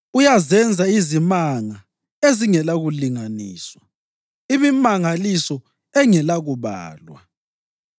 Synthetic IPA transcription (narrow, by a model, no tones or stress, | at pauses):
ujazɛnd͡zʱaizimaŋa | eziŋɛlaɣuliŋaniːswa | imimaŋalisɔ | ɛŋɛlaɣuβa̰ːlwa̰